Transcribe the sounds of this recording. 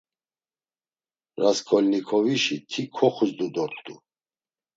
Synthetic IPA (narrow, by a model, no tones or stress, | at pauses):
ɾaskʰɔlʲnikʰɔviʃit̪ʰikʰɔχuzd̪ud̪ɔɾt̪ʰd̪ṵ